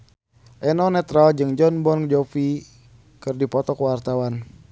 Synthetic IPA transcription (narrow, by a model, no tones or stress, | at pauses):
ʔɛnɔnɛt̪ɾald͡ʒɨŋd͡ʒɔnbɔnd͡ʒɔfi | kɨrdipɔt̪ɔkwart̪awan